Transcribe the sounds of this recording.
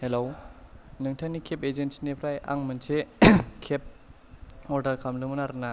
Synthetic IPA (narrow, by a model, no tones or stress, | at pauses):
helownɯŋtʰanikʰepezensinepʰɾaja̰ŋmɯnsekʰep̚ | ɔɾdaɾkʰamlɯmɯnaɾna